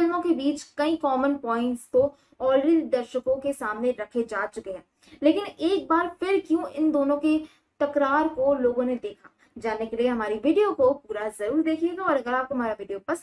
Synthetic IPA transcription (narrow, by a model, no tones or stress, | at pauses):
lmõkebiːt͡ʃkɐĩkɔːmənpɔːɪ̃ɳʈst̪õ | ɔːlɾeːd̪id̪ɐɾʃəkõkesaːmneɾɐkʰed͡ʒaːt͡ʃʊkeɦɛ̃ː | leːkɪneːk̚baːɾfʰɪɾkjũːɪnd̪oːnõke | t̪ɐkɾaːɾkoloːɡõned̪eːkʰa | d͡ʒaːnekelieɦɐmaːɾiʋiːɖijokopuːɾazɐɾuːɾd̪eːkʰieːɡaɔːɾɐɡəɾaːpɦɐmaːɾaʋɪːɖijopɐs